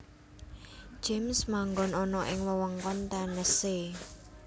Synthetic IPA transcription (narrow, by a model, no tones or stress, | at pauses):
d͡ʒ̥emsmaŋɡɔnɔnɔʔɪŋwəwɔŋkɔnt̪anəse